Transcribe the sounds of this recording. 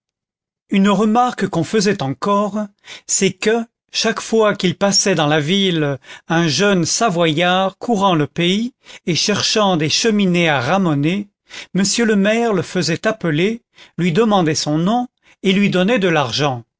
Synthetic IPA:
ynʁəmaʁkkɔ̃fəzɛt̪ɑ̃kɔʁsɛkə | ʃakfwakilpasɛd̪ɑ̃lavilɛ̃ʒœnsavwajaʁkʰuʁɑ̃ləpeieʃɛʁʃɑ̃d̪eʃəmineaʁamɔne | məsjøləmɛʁləfəzɛt̪apəle | lɥid̪əmɑ̃d̪ɛsɔ̃nɔ̃ | elɥid̪ɔnɛd̪əlaʁʒɑ̃

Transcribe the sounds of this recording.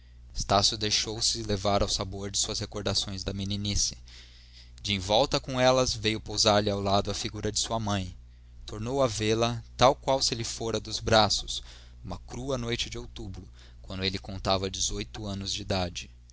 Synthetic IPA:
est̪asjʊd̪ejʃowsɪlevaɾawsaboɾd͡ʒɪsuɐshekoɾd̪asõj̃zd̪ɐmininisɪ̥ | d͡ʒɪẽj̃vɔwt̪ɐkõɛlɐzvejʊpowzaɾlɪawlad̪ʊɐfiɡuɾɐd͡ʒɪsuɐmɐ̃j̃ | t̪oɾnowɐvelɐt̪awkwawsɪelɪfoɾɐd̪ʊzbɾasʊ̥s | ũmɐkɾuɐnojt͡ʃɪd͡ʒɪowt̪ubɾʊ | kwɐ̃nd̪ʊelɪkõnt̪avɐd͡ʒɪzojt̪ʊɐ̃nʊzd͡ʒɪid̪ad͡ʒɪ

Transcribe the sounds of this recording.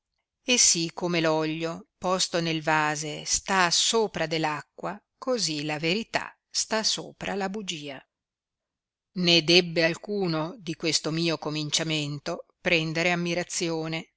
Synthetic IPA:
esːikːomelɔʎːopɔst̪onelvaːzest̪asoːpɾad̪elːakːwa | kozilaveɾit̪a̰ | st̪aso̰ːpɾʔalabud͡ʒiːa | ned̪ɛbːealkuːnod̪ikwest̪omiːokomint͡ʃament̪opɾɛnd̪eɾeamːiɾat̪sːjoːne

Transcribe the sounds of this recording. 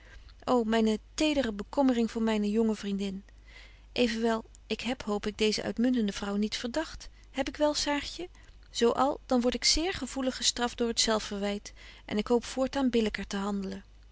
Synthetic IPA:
ʔowmɛjnətejdərəbəkɔmərɪŋvʊːɹmɛjnəjɔŋəvrindɪn | ʔejvənʋɛlˠ | ʔɪkɦɛpɦowpɪɡ̚dejzə̰ʔœ̰ɥtmɵntəndəvrʌwnitfəɹdɑχt | hɛpɪkʋɛlˠsaːɹtjə | z̥owʔɑ̰lˠd̥ɑnʋɔɹtɪksɪːɹχəv̥uləχəstrɑfd̥ʊːɹətsɛlˠfəɹʋɛjtʔɛ̰nɪkɦowpfʊːɹtaːnbɪləkəɹtəɦɑndələn

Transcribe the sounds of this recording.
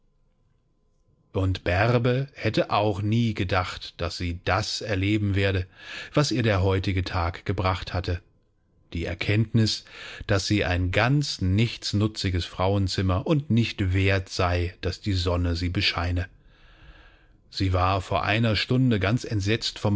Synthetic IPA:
ʔʊntb̥ɛʁbəhɛtəʔaʊxniːɡədaχtd̥asz̥iːd̥asɛɐleːbm̩veːɐɾəv̥asʔiːɐɾeːɐɦɔʏtɪɡətʰaːkɡ̥əbʁaχthatə | d̥iːɛ̰ɐkʰɛntnɪsd̥asz̥iːʔa̰ɪnɡant͡snɪçt͡snʊt͡sɪɡəsfʁ̥aʊənt͡sɪmɐʔʊntnɪçtv̥eːɐtz̥aɪd̥asd̥iːzɔnəziːbəʃaɪnə | z̥iːvaːɐfoːɐʔa̰ɪnɐʃtʊndəɡant͡sɛntz̥ɛt͡stfɔm

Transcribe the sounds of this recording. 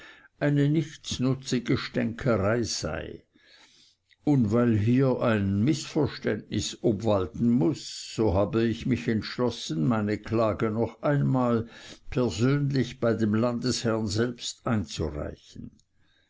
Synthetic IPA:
ʔaɪnənɪçt͡snʊt͡siɡəʃtɛŋkʰəʁaɪz̥a̰ɪ | ʊndvaɪlɦiːɐʔaɪnmɪsfɛɐʃtɛ̰ndnɪsʔɔbvaltn̩mʊsːoːɦaːbəɪçmɪçɛntʃlɔsən̩maɪnəkʰlaːɡənɔχʔaɪnmaːlpʰɛɐzøːnlɪçb̥aɪdemlandəshɛɐnzɛlpstaɪnt͡sṵʁa̰ɪçn̩

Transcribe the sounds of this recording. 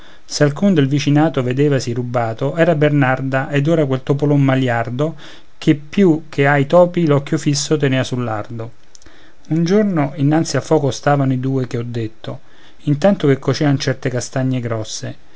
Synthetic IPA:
sealkund̪elvit͡ʃinaːt̪oved̪eːvasirubːaːt̪oɛːɾabernard̪aʔed̪oːɾakwelt̪opolommaljard̪o | k̟epːjuk̟ʰːeajt̪ɔːpilɔkːjofisːot̪eneːvasulːard̪o | und͡ʒornoinːant̪sialfɔːkost̪aːvanoid̪uːek̟eɔd̪ːet̪ːo | int̪ant̪ok̟ekʰːot͡ʃɛːant͡ʃɛrt̪ekast̪aɲːeɡɾɔsːe

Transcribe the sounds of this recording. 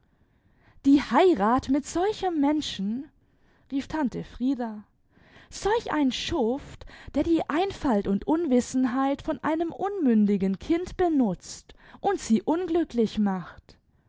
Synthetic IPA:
d̥iːhaɪʁaːtmɪtz̥ɔlçəmːɛnʃn̩ | ʁiːftʰantəfʁ̥iːdɐ | z̥ɔlçʔa̰ɪnʃʊftd̥eːɐdiːʔaɪnfaltʊntʔʊnvɪsn̩ɦaɪtfɔnʔa̰ɪnəmʔʊnmʏndɪɡən̩kʰɪntb̥ənʊt͡stʔʊntz̥iːʔʊnɡlʏklɪçmaχt

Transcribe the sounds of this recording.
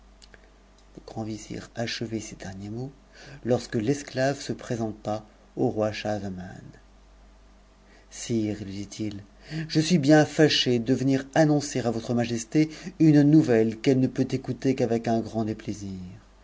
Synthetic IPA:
ləɡ̥ʁɑ̃vizḭʁaʃəvesed̪ɛʁnjemo | lɔʁskəlɛsklavsəpχezɑ̃t̪a | oʁwaʃazaman | siːʁlid̪it̪ʰil | ʒəsɥibjɛ̃faʃed̪əvəniʁanɔ̃seʁavɔt̪χəmaʒɛst̪eynnuvɛlkɛlnəpøt̪ekut̪ekavɛkɛ̃ɡʁɑ̃d̪epleziʁ

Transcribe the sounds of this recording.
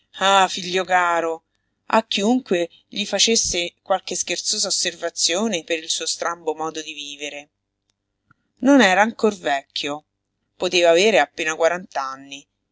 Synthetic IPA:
afiʎːokaːɾo | a̰kːiuŋkwe | ʎifat͡ʃesːekwalk̟eskert̪soːzaosːervat̪sːjoːnepeɾilsuːost̪ɾambomɔːd̪od̪iviːveɾe | nonɛːɾaːŋkorvɛkʰːjo | pot̪eːvaːveːɾeapːeːnakwaɾant̪anːi

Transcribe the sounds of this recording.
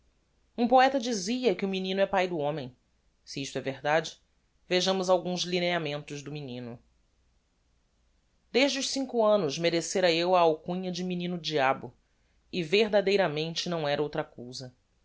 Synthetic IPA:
ũpoɛt̪ɐd͡ʒiziɐkɪʊminĩnʊɛpajd̪ʊõmẽj̃ | siiʃt̪ʊɛveɦd̪ad͡ʒɪ̥ | veʒɐ̃mʊzawɡũzlineamẽnt̪ʊzd̪ʊminĩnʊ | d̪eʒd͡ʒɪʊʃsĩŋkʊɐ̃nʊzmeɾeseɾɐewɐawkũɲɐd͡ʒɪminĩnʊd͡ʒiabʊ | ɪveɦd̪ad̪ejɾɐmẽnt͡ʃɪnɐ̃w̃ɛɾɐowt̪ɾɐkuwzɐ

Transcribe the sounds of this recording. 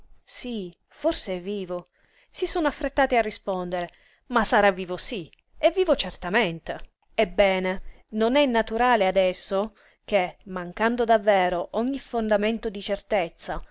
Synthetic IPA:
si | forseɛvːiːvo | sisonoafːɾet̪ːaːt̪iarːispɔnd̪eɾe | masːaɾavːiːvosi | ɛvːiːvot͡ʃert̪ament̪e | ebːɛːne | nonɛnːat̪uɾaːlead̪ɛsːo | k̟emaŋkand̪od̪avːɛːɾoʔɔɲːifond̪ament̪od̪it͡ʃert̪et̪sːa

